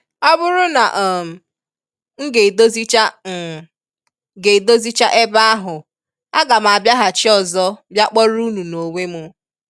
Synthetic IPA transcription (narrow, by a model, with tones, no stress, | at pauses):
a˦bʊ˦ɾʊ˦na˨ʔ | ŋ̩˦ɡe˨do˦zi˦t͡ʃa˦˨ | ɡe˨do˦zi˦t͡ʃa˦ʔe˦ba˦a˦ɦʊ˨ | a˦ɡa˨m˨a˨bja˦ɦa˨t͡ʃɪ˦ɔ˨zɔ˦bja˦k͡pɔ˦ɾu˦nu˨no˨ŋʷe˦mʊ˨˦